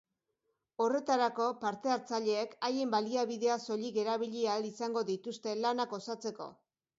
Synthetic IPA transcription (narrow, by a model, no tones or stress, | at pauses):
o̞re̞t̪aɾako̞paɾt̪e̞aɾt͡saʎe̞ːkajembaliaβiðe̞aso̞ʎike̞ɾaβ̞iʎialisaŋɡo̞ðit̪ust̪e̞lanako̞sat͡se̞ko̞̰